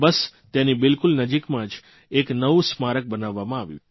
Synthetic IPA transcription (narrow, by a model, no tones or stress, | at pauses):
bəst̪enibɪlkʊlnəd͡ʒikmãd͡ʒ | eknəʋusmaɾək̚bənaʋːamãaʋjṵ̃